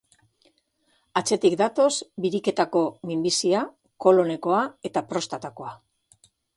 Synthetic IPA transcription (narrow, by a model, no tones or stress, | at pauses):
at͡se̞t̪ikd̪at̪o̞sbiɾike̞t̪ako̞mimbisia | ko̞lo̞ne̞ko̞ae̞t̪apɾo̞st̪at̪ako̞a